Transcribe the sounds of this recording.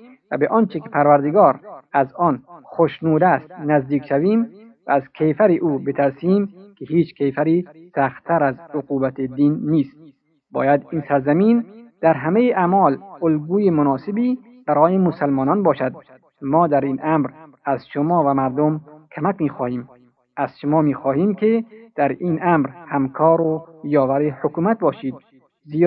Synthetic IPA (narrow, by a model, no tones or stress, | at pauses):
væ̰beʔɒːnt͡ʃekepʰæɾvæɾd̪eɡɒːɾæzɒːnxoʃnuːd̪æst̪næzd̪iːkʃæviːmvæːzkʰejfæɾiʔuːbet̪ʰæɾsiːmkʰeɦiːt͡ʃkʰejfæɾiːsæxt̪ʰːæɾæzoquːbæt̪ʰed̪iːnːiːst̪̚ | bɒ̰ːjæd̪iːnsæɾzæmiːnd̪̥æɾɦæmejiʔæmɒːlolɡuːjemonɒːsebiː | b̥æɾɒːjemosalmɒːnɒːnbɒːʃæd̪̚ | mɒːd̪æɾiːnʔæmɾæzʃomɒːvæmæɾd̪omkʰomækmiːxɒːhiːm | æz̥ʃomɒːmiːxɔːhiːmkʰed̪̥æɾiːnʔæmɾhæmkʰɒːɾojɒːvæɾehokuːmæt̪̚bɒːʃiːd̪̚ | ziː